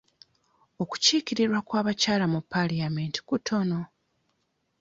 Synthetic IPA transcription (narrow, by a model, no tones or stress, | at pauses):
o̞ku̥ciːkiɾiɾwakwaːβacaːlamupːalijamenti̥kutʰo̞no̞